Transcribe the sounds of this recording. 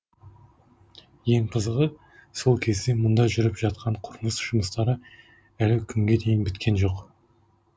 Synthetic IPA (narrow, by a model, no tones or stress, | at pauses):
je̞ŋqʰəzəʁə | so̞lˠkʲʰe̞zd̪e̞mʊnd̪ɑʒʏɾɪpʒ̥ɑt̪qɑɴqʰʊɾməsʒ̥ʊməst̪ɑɾə | ælɪkʲʰʏŋɡʲe̞d̪e̞jɪnbɪt̪kʲe̞nʒo̞q